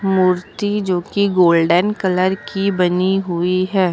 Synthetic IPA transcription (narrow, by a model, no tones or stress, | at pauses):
muːɾt̪id͡ʒoːkiɡoːlɖənkɐləɾkibɐniɦʊiɦɛː